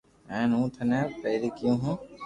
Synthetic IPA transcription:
ɛ̃ːnũːt̪ʰənɛ̃ːpeːɾikjũːɦũː

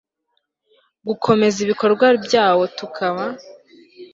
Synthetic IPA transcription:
ɡukʰo̞me̞ziβiko̞ɾɡwabjaːwo̞tukʰaβa

